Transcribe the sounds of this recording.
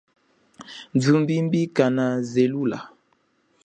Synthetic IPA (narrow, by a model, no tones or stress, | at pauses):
nd͡ʒumbimbikanazelula̰